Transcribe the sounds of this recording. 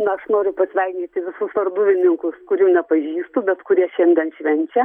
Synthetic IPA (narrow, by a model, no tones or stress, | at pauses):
nɐɐʃnoːɾʲʊpɐsʲʋʲɛɪɡʲnʲiːt̪ʲɪʋʲɪsʊsʋɐrd̪ʊʋʲɪnʲɪŋkʊskʊɾʲuːnʲɛpɐʒʲiːst̪uːbʲɛt̪kʊɾʲiɛʃʲɛnʲd̪ʲiɛnʃʲʋʲɛnʲt͡ʃʲɛ